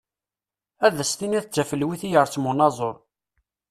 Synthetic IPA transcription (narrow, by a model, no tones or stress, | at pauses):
æðəst̪inæθt͡sːæfəlwiθijəɾˤt͡sːmunɑzˤoɾˤ